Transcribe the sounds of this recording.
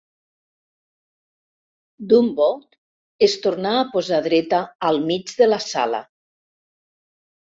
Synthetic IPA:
d̪umbɔt̪ | est̪uɾnaːpozaðɾɛt̪aːlˠmid͡ʒðelasa̰la̰

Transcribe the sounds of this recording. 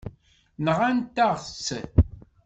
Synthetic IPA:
nəʁant̪ːaʁt͡sːən

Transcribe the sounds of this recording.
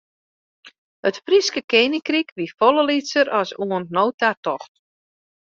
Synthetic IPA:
hətfriskəkeːnikrikʋifɔləlisəɾɔsuəntnoːtartɔxt

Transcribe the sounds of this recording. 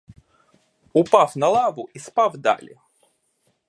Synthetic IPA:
ʊpafnɐlˠavʊʔispavd̪a̰lʲɪ̰

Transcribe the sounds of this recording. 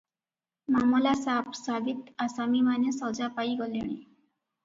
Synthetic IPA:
mamulasapsaɡit̪asamimanesɔwd͡zapaiɡɔleɽ̃i

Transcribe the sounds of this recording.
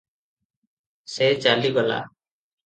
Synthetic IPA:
sɛt͡ʃaliɡɔla̰

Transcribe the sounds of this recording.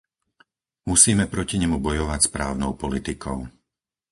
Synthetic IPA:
musiːmɛpɾɔciɲɛmubɔjɔʋacspɾa̰ːʊnɔʊpɔlit̪ikʰɔʊ

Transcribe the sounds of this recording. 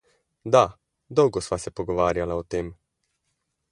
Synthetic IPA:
d̪a | d̪ɔwɡɔsʋasɛpɔɡɔʋaːɾjalaɔt̪eːm

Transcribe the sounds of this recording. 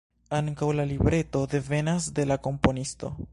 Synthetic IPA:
aŋkawlalibɾe̞to̞de̞ve̞nasde̞lako̞mpo̞nisto̞̰

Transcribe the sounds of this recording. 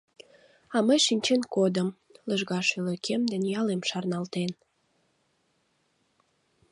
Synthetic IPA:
ɑməjʃinʲt͡ɕenkod̪əm | ləʒɣɑʃyləkʰemd̪enjɑlemʃɑrnɑlt̪en

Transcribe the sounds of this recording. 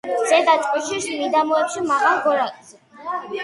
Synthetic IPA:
z̥ɛd̪at͡ʃʼqʼiʃismid̪amɔɛpʃimaχalɡɔɾakʼs

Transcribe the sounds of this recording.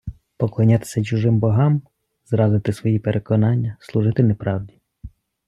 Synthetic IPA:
pɔklˠɐnʲat̪ɪ̥sʲɐt͡ʃuʒɪmbɔɦɑm | zɾɑzɪt̪ɪsʋɔjipeɾʔekɔnɑnʲːɐslˠʊʒɪt̪ɪnepɾɑwdʲi

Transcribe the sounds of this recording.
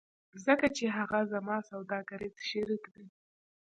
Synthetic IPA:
zəkat͡ʃeɦaɣazamɑsawd̪ɑɡaɾet͡sʃeɾikd̪e

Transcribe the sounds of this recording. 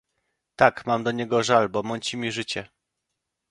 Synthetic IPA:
t̪akmamd̪ɔɲɛɡɔʐalbɔmɔɲt͡ɕimʲiʐɘt͡ɕɛ

